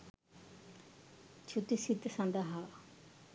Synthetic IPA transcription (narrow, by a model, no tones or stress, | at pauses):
t͡ʃʰut̪isit̪sãnd̪aɦa